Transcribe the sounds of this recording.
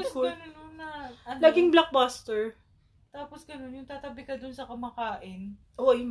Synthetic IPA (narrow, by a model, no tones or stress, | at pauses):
uɡɐnnonɐlaɡɪŋblak̚baːst̪ɛɹ | t̪aːposɡɐno̞njʊŋt̪aːt̪ɐbɪkɐd̪ʊnsɐkɐmakaːʔɪn | ʔojʊŋ